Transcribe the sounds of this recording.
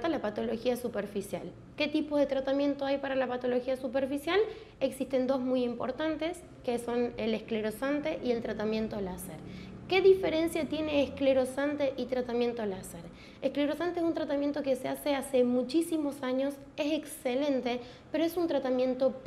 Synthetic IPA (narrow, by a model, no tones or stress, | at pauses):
t̪alapat̪o̞lo̞xiasupeɾfisja̰l | ke̞t̪ipozðe̞t̪ɾat̪amjẽ̞nt̪o̞ajpaɾalapat̪o̞lo̞xiasupe̞ɾfisjal | eksist̪e̞nd̪o̞zmujimpo̞̰ɾt̪ant̪e̞s | keso̞nelehkle̞ɾo̞sant̪e̞ʔie̞lt̪ɾat̪amje̞nt̪o̞lasḛɾke̞ðife̞ɾe̞nsjat̪je̞ne̞ːhkleɾo̞sant̪e̞ʔit̪ɾat̪amje̞nt̪olaseɾ | ehkle̞ɾo̞sant̪ees̬unt̪ɾat̪amje̞nt̪o̞ke̞sease̞ase̞mut͡ʃisimo̞saɲo̞s | eseksele̞nt̪e̞ | pe̞ɾoesunt̪ɾat̪amje̞nt̪o̞p